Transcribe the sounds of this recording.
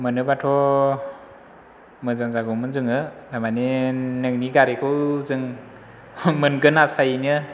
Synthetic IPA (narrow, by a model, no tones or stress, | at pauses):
mɯnɯbatʰɔ | mɯzaŋzaɡɔmɯnzɯŋɯdamanenɯŋniɡaɾekʰɯzɯŋ | mɯnɡɯnasajinɯ